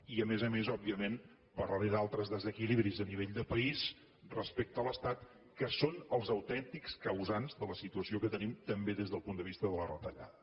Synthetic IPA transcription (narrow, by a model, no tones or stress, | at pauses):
iəmezəmezɔb̚biəmen | pəɾlaɾiðalˠt̪ɾəzðəzəkiliβɾizəniβ̞eʎd̪əpəis | rəspek̚t̪ələst̪at̪ | kəsonəlˠzəwt̪ɛnt̪ikskəwzanzðələsit̪uəsiokət̪ənimt̪əmbeðezðəlˠpund̪əβ̞ist̪əðələrət̪əʎa̰ðə